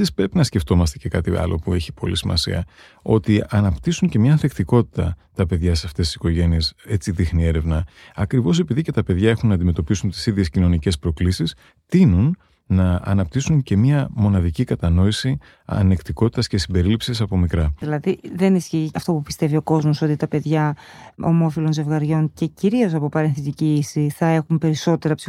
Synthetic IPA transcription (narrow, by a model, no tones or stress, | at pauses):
ispɾe̞pinɐsce̞ft̪o̞mɐst̪ece̞kɐt̪iɐ̰lo̞̰pue̞çipo̞̰lisimɐ̰sḭɐ | o̞̰t̪iɐnɐpt̪isuɲce̞mɲɐɐnθekt̪iko̞t̪i̥t̪ɐt̪ɐpe̞ðʝɐseɐft̪est̪i̥si̥ko̞ʝe̞nie̞se̞t͡siðixnie̞ɾe̞vnɐɐkɾivo̞sepiðice̞t̪ɐpe̞ðʝɐe̞xunːɐːnd̪ime̞t̪o̞pisunt̪i̥siðʝe̞scino̞nice̞spɾo̞klisis | t̪inunː | ɐɐ̰nɐp̚t̪isuɲce̞mɐmo̞nɐðicikɐt̪ɐno̞isi | ɐ̰nekt̪iko̞t̪i̥t̪ɐsce̞simbe̞ɾilipsisɐpo̞mikɾɐðilɐðiðe̞nisçiɐft̪o̞pupi̥st̪e̞vio̞ko̞zmo̞so̞t̪it̪ɐpe̞ðʝɐo̞̰mo̞filo̞nze̞vɣɐɾʝo̞ɲce̞ciɾio̞sɐpopɐɾenθit̪iciisiθɐe̞xumpe̞ɾiso̞t̪e̞ɾɐpsi